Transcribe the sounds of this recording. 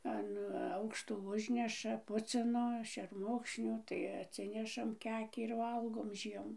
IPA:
ɐn ˈɐʊkʃtoː ˈʊʒʲnʲɛʃɐ ˈpʊt͡sʲɪnoː ʃʲɛrˈmʊkʃʲnʲʊ tɐɪ ɐtʲˈsʲɪnʲɛʃɐm ˈkʲæːkʲiː ɪr ˈʋɐlˠɡoːm ˈʒʲiɛmʊ

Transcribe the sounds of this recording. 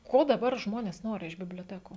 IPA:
ˈkoː dɐˈbɐr ˈʒmoːnʲeːs ˈnoːrʲɪ ɪʃ bʲɪbʲlʲoːˈtʲæːkuː

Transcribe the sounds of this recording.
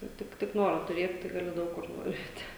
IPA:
ˈtʲɪk tʲɪk tʲɪk ˈnoːroː tʊˈrʲeːt tɐɪ ɡɐˈlʲɪ ˈdɐʊk kʊr nʊˈʋʲɛɪtʲɪ

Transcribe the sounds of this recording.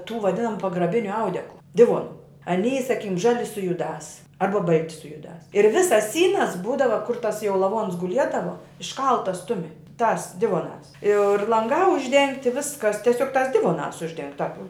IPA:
tuː ʋɐˈdʲɪnɐmʊ pɐɡrɐˈbʲɪnʲʊ ˈɐʊdʲɛklˠʊ ˈdʲɪʋoːnʊ ɐˈnʲiːjɪ sɐˈkʲiːkʲɪm ˈʒɑːlʲɪ sʊ jʊˈdɑːs ˈɐrbɐ ˈbɐlʲtʲɪ sʊ jʊˈdɑːs ɪr ˈʋʲɪsɐs ˈsʲiːnɐs ˈbuːdɐʋɐ kʊr tɐs jɛʊ lˠɐˈʋoːns ɡʊˈlʲiɛdɐʋoː ɪʃˈkɐlˠtɐs ˈtʊmʲɪ tɑːs ˈdʲɪʋoːnɑːs ɪr lˠɐŋˈɡɑː ʊʒʲˈdʲɛŋktʲɪ ˈʋʲɪskɐs tʲiɛˈsʲoːk tɑːs ˈdʲɪʋoːnɑːs ʊʒʲˈdʲɛŋk tɑːp

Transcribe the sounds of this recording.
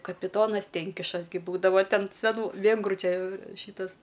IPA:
kɐpʲɪˈtoːnɐs ˈtʲɛŋʲkʲɪʃɐs ɡʲɪ ˈbuːdɐʋɐ ˈtʲɛn sʲɛˈnuː ˈʋʲeːŋɡruː ˈt͡ʃʲɛ ˈʃʲiːtɐs

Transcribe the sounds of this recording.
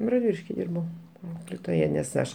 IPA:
rɐdʲˈʋʲɪlʲɪʃʲkʲɪ ˈdʲɪrbɐʊ ˈɐʊklʲeːtoːjɛ nʲɛs ˈɐʃ

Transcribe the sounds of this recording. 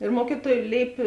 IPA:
ɪr ˈmuɔkʲiːˌtuɔj ˈlʲeːɪpʲeː

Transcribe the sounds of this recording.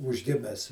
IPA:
uːʒʲˈɡʲɪmʲɛs

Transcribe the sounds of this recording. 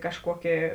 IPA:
kɐʃˈkuɔkʲeː

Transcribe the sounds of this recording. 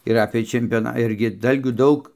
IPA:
ɪr ˈɑːpʲeː t͡ʃʲɛmʲpʲoːˈnɐ ˈɪrʲɡʲɪ ˈdɐlʲɡʲuː ˈdɐʊk

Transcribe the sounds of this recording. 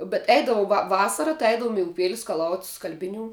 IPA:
bʲɛt ˈɛɪdɐʋʊ ʋɐ ˈʋɑːsɐrɐ tɐɪ ˈɛɪdɐʋoːm ɪ ʊˈpʲeːlʲɪ skɐˈlˠɐʊtʲ ˈskɐlʲbʲɪˌnʲuː

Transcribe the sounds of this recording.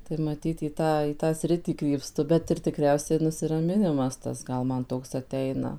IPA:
tɐɪ mɐˈtʲiːt iː ˈtɑː iː ˈtɑː ˈsʲrʲɪtʲiː krʲiːpˈstʊ bʲɛt ɪr tʲɪˈkrʲɛʊsʲɛɪ nʊsʲɪrɐˈmʲɪnʲɪmɐs ˈtɐs ˈɡɐlˠ ˈmɐn ˈtoːks ɐˈtʲɛɪnɐ

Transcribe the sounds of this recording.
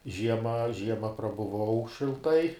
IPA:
ˈʒʲiɛmɐ ˈʒʲiɛmɐ prɐbʊˈʋɐʊ ʃʲɪlˠˈtɐɪ

